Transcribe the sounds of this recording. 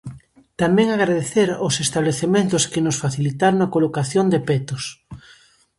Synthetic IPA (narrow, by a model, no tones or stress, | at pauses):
t̪amɛŋaɣɾaðeθeɾosest̪aβleθement̪ʊskɪnʊsfaθilit̪aɾonɐkolokaθjond̪epɛt̪ʊs